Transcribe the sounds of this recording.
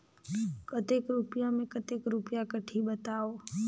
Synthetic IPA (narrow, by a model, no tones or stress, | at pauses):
kət̪eːkɾupɪjamẽkət̪eːkɾʊpjakəʈʰiɓət̪aːoː